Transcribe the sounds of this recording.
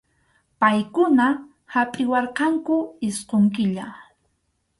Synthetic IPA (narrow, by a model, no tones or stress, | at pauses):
pajkʊna | hapʼɪwɑɾqɑŋkʊɪsqoŋkɪʎa